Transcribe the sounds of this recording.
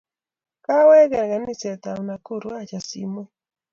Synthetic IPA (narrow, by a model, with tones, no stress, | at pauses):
ka˦wɛ˦ɡɛ˨ɾɡa˨ni˦˨sɛ˨t̪a˨wna˨ku˦˨ɾwa˦t͡ʃa˨sḭ˦mwe˦